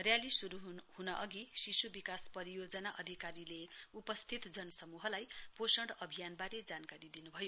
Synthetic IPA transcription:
rjalisuɾuɦunʌʔʌɡisisubikaspʌɾijod͡zʌnaʔʌd̪ʱikaɾileupʌst̪ʰit̪d͡zʌnʌsʌmuɦʌlajposʌɳɖʌbʱijanbaɾed͡zankaɾid̪inubʱʌjo

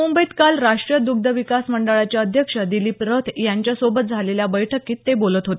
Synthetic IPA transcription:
umbəit̪kalɾaʂʈɾijəd̪uɡ̚d̪əʋikasməɳɖəɭat͡ɕjaəd̪ʱjəkʂəd̪iliːpɾət̪jaɲt͡ɕjasobət̪̚d͡zʱaleljabəjʈʰəkiːt̪ːebolət̪ɦot̪e̥

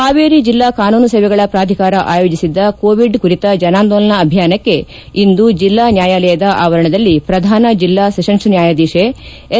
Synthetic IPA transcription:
aːʋeːɾid͡ʒilːaːkaːnuːnɐsɐːʋɛɡɐɭɐpɾaːd̪ʱikaːɾɐʔaːjo̞ːd͡ʒisid̪ːɐkoːʋiɖkuɾit̪ɐd͡ʒɐnaːnd̪oːlɐnɐːbʱjaːnɐkːe̞ | ind̪ud͡ʒilːaːnjaːjaːlɛjɐd̪ɐʔaːʋɐɾɐɳɐd̪ɐlːipɾɐd̪ʱaːnɐd͡ʒilːaːsɐʃɐnʂnjaːjad̪iːʂe

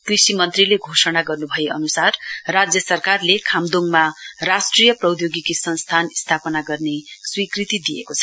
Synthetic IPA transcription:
krisimʌnt̪rileɡʱosʌnaɡʌrnubʱʌeʌnusarːad͡zjʌsʌrkarlekʰamd̪oŋmarasʈrijʌprʌwd̪joɡikisʌnst̪ʰanst̪ʰapʌnaɡʌrneswikrit̪id̪ijḛkot͡sʰʌ

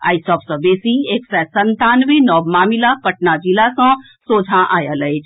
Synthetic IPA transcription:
a̰ːisɔːpsɔ̃beːsieːksɛsɐnt̪aːnʋenɔːbmaːmilapɐʈ̚nad͡ʒilasɔ̃ | soːd͡ʒʱãʔaːjalɐet͡ʃʰ

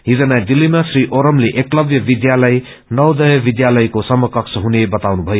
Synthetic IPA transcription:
ɦid͡zʌnad̪ilːimasriʔoɾʌmleʔeklʌbjʌbid̪jalʌj | nʌwd̪ʌjʌbid̪jalʌjkosʌmʌkʌksʰʌɦunebʌt̪awnubʱʌjo

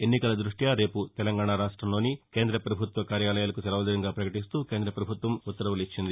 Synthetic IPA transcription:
e̞nːikɐlɐd̪ɾuʂʈjaːɾe̞ːput̪ɛlɐŋɡaːɳaɾaːʂʈɾɐmlo̞ːnike̞ːnd̪ɾɐpɾɐbʱut̪ʋɐkaːɾjaːlɐjaːlɐkusɐlɐʋɐd̪ɐɾɐŋɡaːpɾɐkɐʈis̬t̪uːkeːnd̪ɾɐpɾɐbʱut̪ʋɐmut̪ːɐɾɐʋɐlit͡ʃːind̪i

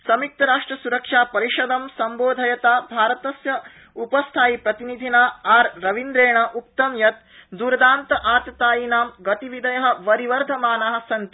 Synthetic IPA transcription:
sɐmik̚t̪ɐɾaːʂʈɾɐsuɾɐkʂaːpɐɾiʃɐd̪ɐmsɐmboːd̪ʱɐjɐt̪aːbʱaːɾɐt̪ɐsjɐ | upɐst̪ʰaːjipɾɐt̪inid̪ʱinaːaːɾɾɐʋind̪ɾeːɳɐʔuk̚t̪ɐmjɐt̪̚ | d̪uɾɐd̪aːnt̪ɐʔaːt̪ɐt̪aːjinaːmɡɐt̪iʋid̪ɐjɐɦɐ̆ʋɐɾiʋɐɾd̪ʱɐmaːnaɦɐ̆sɐnt̪i

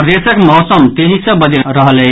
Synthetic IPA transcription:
pɾd̪esəkmɔɦsəmt̪eɦisə̃bəd̪iɾəɦəle

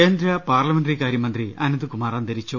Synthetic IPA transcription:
eːnd̪ɾɐpaːrlɐmenɖrikaːɾjɐmɐnd̪riʔɐnɐd̪ukumaːraːnd̪ɐɾit͡ɕːu

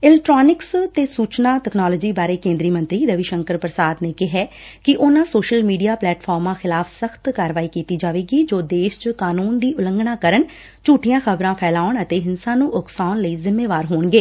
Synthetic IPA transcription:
ɪlɛk̚ʈɾaːnɪkst̪eːsuːt͡ʃnaːʈɛːknaːləd͡ʒiːbaːɾeːkẽːnd̪ɾiːmə̃nt̪ɾiːɾəʋiʃə̃ŋkəɾpɾəsaːd̪neːkɪɦɛː | kɪʔʊnãːsoːʃəlmiːɖijaːplɛːʈpʰɔːɾmãːxɪlaːpʰsəxt̪kaːɾəʋaːiːkiːt̪iːd͡ʒaːʋeːɡiːd͡ʒoːd̪eːʃt͡ʃkaːnuːnd̪iːʔʊləŋɡnaːkəɾəɳ | t͡ʃuːʈʰɪjãːxəbɾãːpʰɛːlaːʊɳət̪eːɦɪnsãːnũːʔʊksaːʊnləiːzɪmːeːʋaːɾɦoːɳɡeː

